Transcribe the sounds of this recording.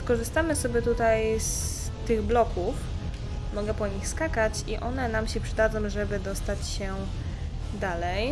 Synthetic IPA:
skɔʐɘst̪amɘsɔbʲɛt̪ut̪ajs | t̪ɘɣblɔkuf | mɔɡɛpɔɲixskakat͡ɕiʔɔnɛnamɕɛpʂɘd̪ad̪zɔ̃w̃ʐɛbɘd̪ɔst̪at͡ɕɕɛ | d̪alɛj

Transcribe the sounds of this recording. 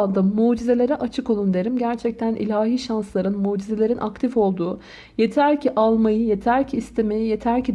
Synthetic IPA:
and̪amuːd͡ʒize̞lʲe̞ɾɛʔat͡ʃʰɯkolˠund̪eɾimɟæɾt͡ʃʰɛc̚t̪ʰænḭlʲaːɦiːʃanslˠaɾɯnmuːd͡ʒizelʲe̞ɾinʔa̰k̚t̪ʰifo̞lˠd̪uː | je̞t̪ʰæɾcʰiʔalˠmajɯje̞t̪ʰæɾcʰiːst̪ʰe̞mejije̞t̪ʰæɾcʰid̪

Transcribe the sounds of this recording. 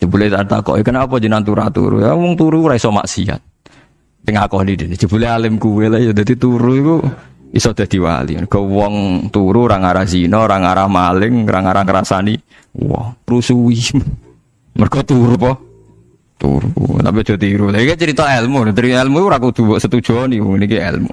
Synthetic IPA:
d͡ʒəbulɛt̪ant̪a̰kɔ̰ʔikənaapɔd͡ʒənaŋt̪uɾa̰t̪ṵɾṵawɔŋt̪uɾuɾaisɔma̰ʔsia̰t̪̚ː | ɪŋakɔhnidənɛd͡ʒəb̥ulɛalɪmkuwelaiɔd̪at̪it̪uɾuikuisɔd̥̪ahd̪̥iwa̰lḭmərɡ̥ɔwɔŋt̪uɾuɾaŋaɾahzinɔɾaŋaɾahmalɪŋɾaŋaɾahkəɾasani | wɔ̰uɾusuim | mərɡ̥ɔt̪uɾupɔ | t̪ṵɾṵt̪api̥d͡ʒ̥ɔt̪iɾulaikɛt͡ʃəɾit̪ɔɛlmult̪əɾiɛlmuuɾakud̪̥uwɔʔsət̪ud̥ʒ̥ɔniwɔŋnikiɛ̰lmṵ

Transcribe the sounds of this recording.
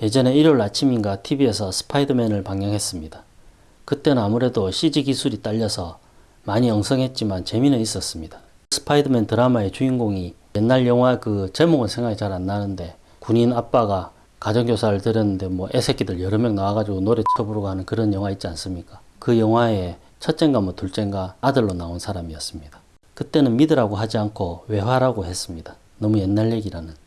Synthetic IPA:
je̞d͡ʑʌne̞iɾoɭat͡ɕʰimiɡatʰibie̞sʰʌsʰɯ̥pʰaidɯme̞nɯɭpaŋjʌŋɦe̞s͈ɯmɲida | kɯt͈e̞nɯnamuɾe̞doɕʰid͡ʑiɡisʰuɾit͈aʎːʌsʰʌ | maɲiʌŋsʰʌŋɦe̞t̚t͡ɕ͈imant͡ɕe̞minɯnis͈ʌs͈ɯmɲid̥ḁ | sʰɯ̥pʰaidɯmentɯɾamae̞t͡ɕuinɡoŋijenːaɭjʌŋɦwakɯt͡ɕe̞moɡɯnsʰe̞ŋɦait͡ɕaɾanːanɯnde̞ | kuɲinap̚p͈aɡa | kad͡ʑʌŋɡjosʰaɾɯɭtɯɾjʌnːɯnde̞mwʌʔe̞sʰe̞kidɯɭjʌɾɯmjʌŋnawaɡad͡ʑiɡonoɾetʰɯɾʌboɾʌɡoɦanɯnkɯɾʌnjʌŋwait̚t͡ɕians͈ɯmɲik͈a | kɯjʌŋɦwae̞ | t͡ɕʰʌt̚t͡ɕ͈e̞ŋɡamwʌtuɭt͡ɕ͈e̞ŋɡwaːdɯɭːonaonsʰaɾamiʌs͈ɯmɲid̥ḁ | kɯt͈e̞nɯnmidɯɾaɡoɦad͡ʑiankʰowe̞waɾaɡohe̞s͈ɯmɲid̥a | nʌmuje̞nːaɭːe̞ɡiɾanɯn

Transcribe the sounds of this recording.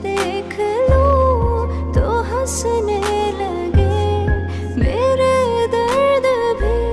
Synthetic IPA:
d̪e | kʰəlo | t̪oɦɐsənelɐ | ɡe | meɾed̪ɐɾd̪əbʱə

